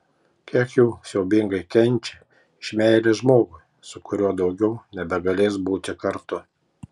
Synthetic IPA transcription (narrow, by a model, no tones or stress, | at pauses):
kʲiɛkjuːsʲɛʊbʲɪŋɡɐɪkʲɛnʲˑt͡ʃʲe | ɪʃʲmʲæˑɪlʲeʒmoːɡʊɪ | sʊkʊɾʲuɔd̪ɒʊɡʲɛʊnʲɛbʲɛɡɐlʲeːs̬buːt̪ʲɪkɐɾt̪ʊ